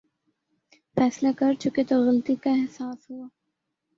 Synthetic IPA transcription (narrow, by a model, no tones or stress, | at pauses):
fɛːslakɐɾt͡ʃuket̪oɣɐlt̪ikaɛɦsaːsɦʊaː